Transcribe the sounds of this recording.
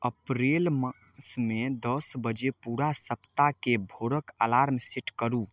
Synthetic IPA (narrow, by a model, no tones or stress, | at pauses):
əpɾelmə | smed̪əsbəd͡ʒepuɾasəpt̪akebʱoɾəkalaɾmsiʈʰkəɾu